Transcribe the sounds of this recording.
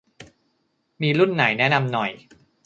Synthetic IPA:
miː˧lu˥˩nːa˩˦jnɛ˦˥na˧mnɔ˨˩j

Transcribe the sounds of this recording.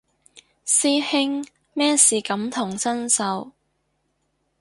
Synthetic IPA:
siː˥hɪ˥ŋ | mɛː˥siː˨kɐ˨˧˥mt̪ʰʊ˨˩ŋsɐ˥nsɐ˨˥w

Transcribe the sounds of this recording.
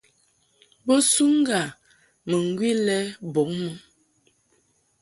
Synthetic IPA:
bo˦su˦ŋ˦ɡa˨ | mə˨ŋ˨ɡwi˦lɛ˦bo˨˦ŋmə˦

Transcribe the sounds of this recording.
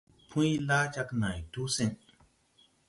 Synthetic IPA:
pʰũ˦jla˦t͡ʃa˧kna˨jtu˦si˦n

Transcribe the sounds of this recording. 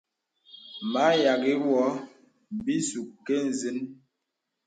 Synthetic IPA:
ma˨˦ja˨ɡi˦wɔ˨˦ | m˨bi˦su˨kkːe˦n̩˨zi˦n

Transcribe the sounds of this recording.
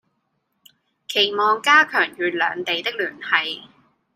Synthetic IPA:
kʰe˨˩jmɔː˨ŋkaː˥kʰœː˨˩ŋjyː˨˧lœ̰ː˨˧ŋt̪e˨jt̪ɪ˥k̚lyː˨˩nhɐ˨˧j

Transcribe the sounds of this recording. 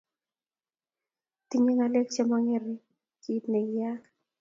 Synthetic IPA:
ti˦ɲe˦ŋa˨le˦k̚t͡ʃa˦mɔ˦ŋɪ˦ɾɪ˦ | ki˦tne˨ɡja˦k

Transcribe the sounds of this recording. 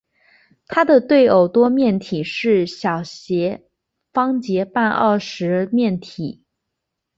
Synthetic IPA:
t̪ʰa˥d̪ə˨t̪we˥˩ɪo˨˩ʊt̪wɔ˥mjɛ˥˩nt̪ʰi˨˩ʂɻ̩˥˩ɕjɑ˨˩ʊɕjɛ˧˥ | fɑ˥ŋt͡ɕjɛ˧˥pa˥˧nʔə̰˥˩ʂɻ̩˧˥mjɛ˥˩nt̪ʰi˨˩˦

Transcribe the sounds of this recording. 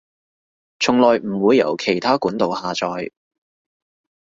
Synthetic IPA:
t͡sʰʊ˨˩ŋlɔː˨jm̩˨˩wuː˨˧jːɐ̰˨˩wkʰe˨˩jt̪ʰaː˥kuː˨˥nt̪o˨whaː˨t͡sɔː˨j

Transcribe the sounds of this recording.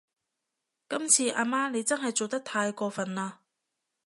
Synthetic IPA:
kɐ˥mt͡sʰiː˧ʔaː˧maː˥ne˨˧jt͡sɐ˥nɦɐ˨jt͡so˨wt̪ɐ˥k̚t̪ʰaː˧jkɔː˧fɐ˨nlaː˧

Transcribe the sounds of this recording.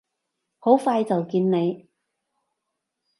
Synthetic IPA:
ho˨˥wfaː˧jt͡sɐ˨wkiː˧nne˨˧j

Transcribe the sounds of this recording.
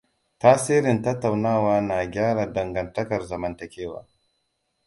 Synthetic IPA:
taː˦si˦ɾɪ˨ntɐ˦tːa˨wnaː˦waː˦na˨ɡʲaː˦ɾa˨dɐ˨ŋɡɐ˨ntɐ˦kɐ˨ɾza˨mɐ˨ntɐ˨kʲeː˦wa̰ː˨

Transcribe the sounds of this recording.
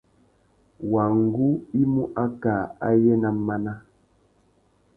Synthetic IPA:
wa˨ŋ˦˨ɡu˦i˦mu˦ʔa˦ka˨a˦jɛ˦na˨mːa˦na˦

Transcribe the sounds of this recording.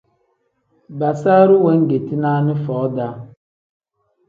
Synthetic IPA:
ba˨sa˦ɾʊ˦we˦ŋ̩˦ɡe˨ti˦na˦nɪ˦fɔː˨˦da˦

